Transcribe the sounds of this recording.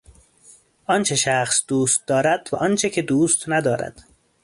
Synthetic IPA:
ɒnt͡ʃʰe̞ʃæxsd̪uːst̪̚d̪ɒːɾæd̪̥væ̰ʔɒnt͡ʃʰecʰed̪uːst̪næd̪ɒːɾæ̰d̪̥

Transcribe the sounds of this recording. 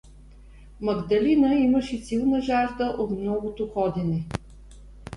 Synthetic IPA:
mɐɡd̪ɐlinəiməʃɛsilˠnəʒaʒd̪əʔot̪mnɔɡot̪oxɔd̪inɛ

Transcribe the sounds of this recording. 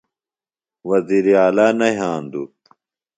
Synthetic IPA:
wɐziːɾiaːlaːnɐɦaːnd̪u

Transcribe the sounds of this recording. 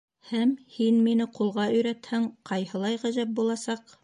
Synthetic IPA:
hæmhinminɘqulˠʁɑɵ̆jɾæt̪hæɴqʰɑjhɤ̆lˠɑjʁæ̆zæp̚bulˠɑsɑq

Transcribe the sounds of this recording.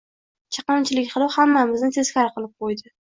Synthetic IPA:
t͡ʃʰɑ̥qɨmt͡ʃʰɪlɪkʲχɨlˠɒhamːamɪznɪt̪ʰe̞z̥kʲʰaɾqɨlˠɪp̚qojd̪ɪ

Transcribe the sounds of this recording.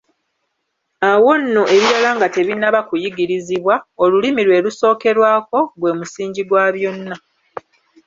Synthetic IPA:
awonːoʔe̞βiɾalaːŋɡate̞βinaβakujiɡiɾiziβwao̞lulimiɾwe̞ːluso̞ːke̞ɾwaːko̞ɡwe̞ːmusiːɲɟiɡwaːβjo̞nːa

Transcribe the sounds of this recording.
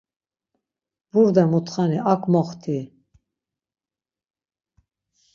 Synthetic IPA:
vuɾd̪ɛmut̪χaniʔakʰʼmɔχt̪ʰi

